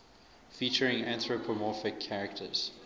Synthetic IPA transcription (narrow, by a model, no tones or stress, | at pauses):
fiˑt͡ʃəɹɪ̃ŋæ̃nθɹopʰəmɔfɪkʰːæɹɛktʰə̰z̥